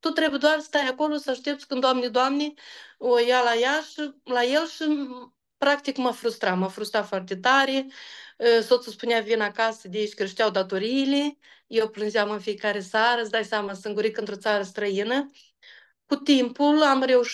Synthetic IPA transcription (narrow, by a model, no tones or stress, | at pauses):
t̪ut̪ɾe̞bujd̪oarst̪ajako̞lo̞səaʃt̪ep̚t̪sʲkɨnd̪oamned̪oamneojalajaʃilaje̞lʃi | pɾak̚t̪ikmafɾust̪ɾamafɾust̪ɾafoart̪et̪aɾe | sot̪səspunjavinakasəd̪ʲeait͡ʃʲkɾeʃt̪ejawd̪at̪o̞ɾilejewplɨnʒeamɨnfijekaɾesaɾəsd̪ajsjamasɨŋɡuɾikɨnt̪ɾo̞t̪saɾəst̪ɾəjinə | kut̪impulamre̞uʃ